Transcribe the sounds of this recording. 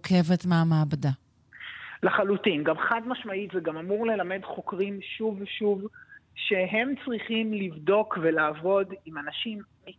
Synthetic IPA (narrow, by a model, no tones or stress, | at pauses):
kʰe̞vetmeamaːbada | laχalutimɡamχadmaʃmaitzeɡamamuʁle̞lame̞dχo̞kʁimʃuvʃuvʃeɦe̞mt͡sʁiχimlivdo̞kvelaːvo̞dimanaʃimːi